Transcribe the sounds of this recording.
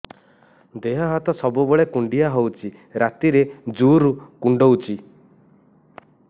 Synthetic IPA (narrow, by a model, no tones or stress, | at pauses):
d̪eɦɔɦat̪ɔsɔbubɔɭekuɳɖijaɦɔwt͡ʃʰi | ɾat̪iɾed͡ʒuɾukuɳɖowt͡ʃʰi